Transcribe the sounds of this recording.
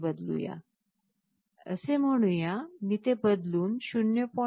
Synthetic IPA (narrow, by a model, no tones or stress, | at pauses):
bəd̪lṵja̰ | ə̰sem̤əɽ̃ũjamit̪ebəd̪luːnɕunjəpɔ